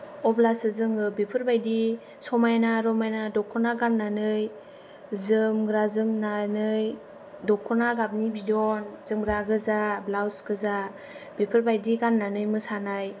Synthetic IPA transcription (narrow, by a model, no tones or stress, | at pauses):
ɔblasɯzɯŋɯbepʰɯɾbajdi | sɔmajnaɾɔmajnadɔkʰːɔnaɡanːanɯj | zɯmɡɾazɯmnanɯj | dɔkʰːɔnaɡab̚nibidɔnzɯmɡɾaɡɯzablawsɡɯza | b̥epʰɯɾbajdiɡanːanɯjmɯsanaj